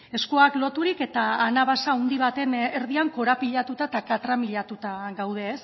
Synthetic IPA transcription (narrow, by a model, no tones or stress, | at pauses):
e̞skuaklo̞t̪uɾike̞t̪aːnaβasaund̪iβat̪e̞neɾð̞iaŋko̞ɾapiʎat̪ut̪aet̪akat̪ɾamiʎat̪ut̪aɣawð̞e̞ːs